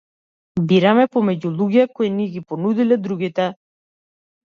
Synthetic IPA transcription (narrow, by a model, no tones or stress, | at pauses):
biɾamɛpɔmɛɟulˠuɡɛkɔiniɛɡipɔnud̪ilɛd̪ɾuɡit̪ɛ